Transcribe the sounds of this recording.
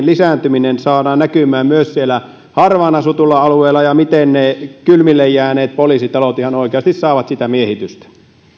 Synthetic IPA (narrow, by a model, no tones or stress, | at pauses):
nlisæːˑnt̪yminensɑːdɑːnnækymˑæːmmyøssielæ | hɑrʋɑːnɑsut̪ulːˑɑɑlueːlːˑɑjɑmit̪ennekylmilːejjæːneːt̪̚poliːsit̪ɑlot̪ihɑnoˑikeɑst̪issɑˑːʋɑt̪sit̪æmiehit̪yst̪æ̥